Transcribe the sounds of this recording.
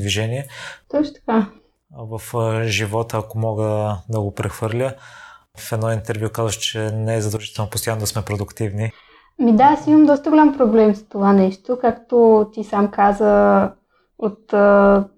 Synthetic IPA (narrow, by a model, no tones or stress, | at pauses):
d̪viʒɛniɛsɤt͡ʃʊ̥t̪ɐ̥ka | vəfʒivɔt̪əːkomɔɡəd̪ɐɡopɾɛxvɤɾlʲə | fɛd̪nɔint̪ɛɾvjukazvəʃt͡ʃɛnɛɛzɐd̪ɐlˠʒit̪ɛlˠnopost̪ojanod̪ɐsmɛpɾod̪ʊkt̪ivni | mid̪asiməmd̪ɔst̪əɡolʲampɾoblɛmst̪ovanɛʃt̪okakt̪ot̪isamkazə | ot̪ː